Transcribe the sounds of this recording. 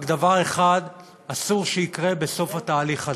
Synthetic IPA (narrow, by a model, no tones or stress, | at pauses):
ɡd̪avaʁeχad | asuʁʃeikʁe̞be̞so̞fhataːliχa